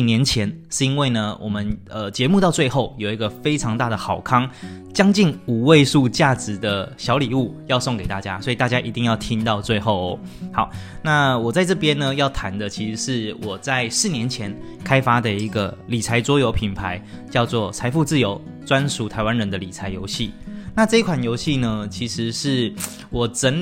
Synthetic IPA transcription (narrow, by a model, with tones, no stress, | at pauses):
njɛ˧˥nt͡ɕʰjɛ˧˦˥nʂɻ̩˥˩i˥nwe˥˩ɪnə˩wʔɔ˨˩mə˦nə˧t͡ɕjɛ˧˥mu˥˧t̪ɑ˥˧t͡swe˥˧ɪxo˥˩ʊjo˨˩ʊi˧˥ɡə˧fe˥ɪʈ͡ʂʰɑ˧ŋt̪a˥˩d̪ə˩xɑ˨˩ʊkʰɑ˥ŋt͡ɕjɑ˥ŋt͡ɕi˥˩nu˨˩we˥˧ɪʂu˥˧t͡ɕja˥˩ʈ͡ʂɻ̩˨˩d̪ə˦ɕjɑ˧˥ʊli˨˩u˥˩jɑ˥˧ʊso˥˩ŋke˨˩ɪt̪a˥˩t͡ɕja̰˦˥swɔ˧˥i˨˩t̪a˥˩t͡ɕja˥ʔi˧˥t̪i˥˧ŋjɑ˥˩ʊt̪ʰi˦˥nt̪ɑ˥˧ʊt͡swe˥˧ɪxo˥˩ʊ˩ | xɑ˨˩˦ʊna˥˧˩wɔ˨˩t͡sa˥˧ɪʈ͡ʂɤ˥˩pjɛ˦nnə˨jɑ˥˩ʊt̪ʰa˧˥nd̪ə˨t͡ɕʰi˧˥ʂ̩˧˦ʂɻ̩˥˩wɔ˨˩t͡sa˥˩ɪʂɻ̩˥˩njɛ˧˦nt͡ɕʰjɛ˧˥n | kʰa˥ɪfa˥d̪ə˨i˧˥ɡə˨li˨˩t͡sʰa˧˥ɪt͡swɔ˥jo˧˥ʊpʰi˨˩npʰa˧˦ɪt͡ɕjɑ˥˧ʊt͡swɔ˥˩t͡sʰa˧˥ɪfu˥˧t͡sɹ̩˥˩jo˧˦ʊ | t͡swa˦˥nsu˧˥t̪ʰa˧˥ɪwa˦nɻə˧˦nd̪ə˨li˨˩t͡sʰa˧˥ɪjo̰˧˥ʊɕi˥˩na˥˧ʈ͡ʂɤ˥˧i˥kʰwa˨˩njo˧˥ʊɕi˥˩nə˨t͡ɕʰi˧˥ʂɻ̩˧˦ʂɻ̩˥˩ | wɔ˨˩ʈ͡ʂə˧˥n